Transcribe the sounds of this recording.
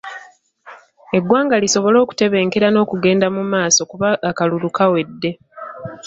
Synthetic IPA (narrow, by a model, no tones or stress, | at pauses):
e̞ɡwaːŋɡaliso̞βo̞lo̞ːku̥te̞βe̞ːŋke̞ɾano̞ːkuɡe̞ːndamumaːso̞kuβaːkalulukawe̞dːe̞